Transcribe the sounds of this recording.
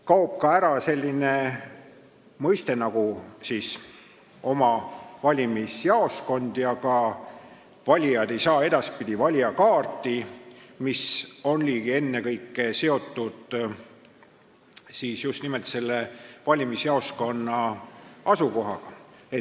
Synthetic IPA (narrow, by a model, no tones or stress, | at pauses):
kɑup̚kɑæɾɑse̞lʲːine | mɤjst̪e̞nɑɡ̥usis | o̞mɑvɑlʲimisjɑo̞sko̞nd̪̥jɑkɑ | vɑlʲijɑd̪e̞jsɑːe̞d̪ɑspid̪̥ʲivɑlʲiɑkɑːrt̪ːˑimiso̞nliːɡ̥ie̞nːekɤjkːese̞o̞t̪ːˑud̪̥ | siːsjust̪nimelt̪se̞lːevɑlʲimisjɑo̞sko̞nːɑɑsuko̞ɦɑɡ̥ɑe